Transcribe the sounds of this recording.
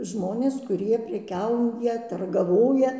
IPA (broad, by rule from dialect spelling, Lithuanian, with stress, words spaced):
ˈʒmoːnʲeːs ˈkʊrʲiɛ pʲrʲɛˈkʲɛʊjɛ tʊrɡɐˈʋoːjɛ